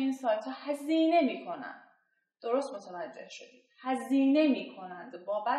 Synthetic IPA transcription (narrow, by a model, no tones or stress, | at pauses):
insɒːjt̪ʰhɒːhæziːne̞miːkʰo̞næ̰n | d̪̥o̞ɾost̪mot̪ʰævæd͡ʒːe̞̰hʃo̞d̪iːd̪̥hæziːne̞miːkʰo̞nænd̪bɒːbæ